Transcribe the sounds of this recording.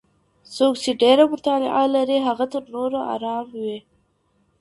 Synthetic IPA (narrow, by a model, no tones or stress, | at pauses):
sokt͡ʃeɖeɾamʊt̪ɑnɪ̰ʔalaɾiɦaɣat̪əɾnoɾoa̰ɾɑmwi